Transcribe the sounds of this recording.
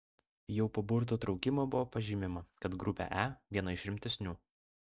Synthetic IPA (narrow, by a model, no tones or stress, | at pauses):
jɛʊpoːbʊɾt̪̬uːt̪ɾɒʊkʲɪmoːbʊʋoːpɐʒʲimʲɪmɐkɐt̪ɡɾʊpʲɛ̰ʔæʋʲiɛnɐɪʃɾʲɪmʲt̪ʲɛsʲnʲuː